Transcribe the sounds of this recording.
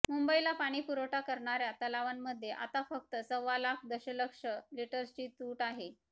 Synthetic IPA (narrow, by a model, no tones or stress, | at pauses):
mumbəilapaɽ̃iːpuɾoʈakəɾɳaɾjat̪əlaʋanməd̪ʱːjeʔa̰t̪afək̚t̪əsəʋːalakʰd̪əɕələkʂəliʈəɾst͡ɕiːt̪uːʈaɦe